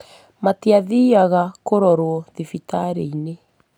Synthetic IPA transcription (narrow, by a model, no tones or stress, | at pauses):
mateaðiːaɣakoɾɔɾwɔðifitaɾeine